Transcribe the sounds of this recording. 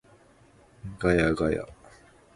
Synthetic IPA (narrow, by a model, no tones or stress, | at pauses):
ɡajaɡaja̰